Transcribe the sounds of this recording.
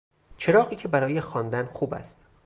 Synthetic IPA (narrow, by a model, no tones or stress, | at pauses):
t͡ʃʰe̞ɾɒːɣiːcʰe̞bæɾɒːjexɒnd̪ænxuːbæ̰st̪